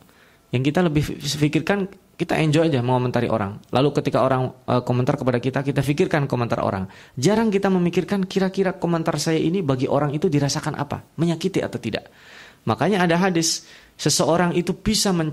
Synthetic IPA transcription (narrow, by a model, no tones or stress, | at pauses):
jaŋkit̪aləbɪhəfikɪrkan | kit̪a̰ʔɛɲd͡ʒojd͡ʒaməŋomənt̪aɾḭʔo̰ɾa̰ŋlʔalukət̪ikaoɾaŋəkomənt̪arkəpadakit̪akit̪afikɪrkankomənt̪a̰ro̰ɾa̰ŋd͡ʒaɾaŋkit̪aməmikɪrkankiɾakiɾakomənt̪arsajaʔinibaɡiʔoɾaŋit̪udiɾasakanʔa̰pa̰məɲakit̪iʔa̰t̪awt̪ida̰ʔ | makaɲaːdaɦadɪsː | əsəoɾaŋit̪ubisaməɲ